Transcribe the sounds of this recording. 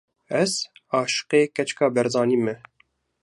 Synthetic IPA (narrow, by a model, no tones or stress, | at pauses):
ɛzɑːʃɨ̥qeːkɛt͡ʃkɑːbɛɾzɑːniːmɛ